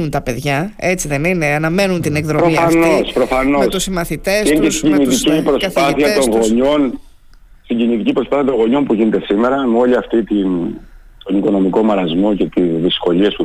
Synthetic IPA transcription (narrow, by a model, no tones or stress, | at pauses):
unt̪ɐpe̞ðʝɐe̞t͡siðe̞nine̞ɐnɐme̞nunt̪inekðɾopɾomiɐɐnospɾo̞fɐnomest̪usimɐθit̪esesɟimnit̪icipɾosɐpɐθiɐt̪o̞ŋɣo̞ɲo̞n | st̪iɲɟinit̪icipɾo̞spaθiɐt̪o̞ŋɣo̞ɲo̞npuʝine̞t̪e̞sime̞ɾɐmeo̞liɐft̪it̪in | t̪o̞niko̞no̞miko̞mɐɾɐzmo̞ce̞t̪izðisko̞liesu